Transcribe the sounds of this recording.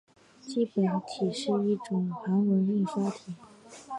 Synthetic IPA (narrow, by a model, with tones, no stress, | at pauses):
t͡ɕi˥˩pə˨˩nt̪ʰi˨˩ʂɻ̩˥˧i˥˩ʈ͡ʂʊ˨˩ŋxa˧˥nwə˧˥ni˥˩ŋɕja˥ʊt̪ʰi˨˩˦